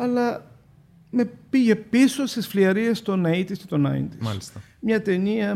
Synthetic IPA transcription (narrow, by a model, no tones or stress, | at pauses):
ɐlɐ | me̞piʝe̞pisosisfliɐɾiest̪o̞nɐit̪iscet̪onɐ̰ḭnt̪iɐ̰list̪ɐ | mɲɐt̪e̞niɐ